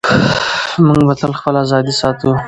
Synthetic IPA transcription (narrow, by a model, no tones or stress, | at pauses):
muŋɡbat̪əlxpəlazɑd̪isɑt̪u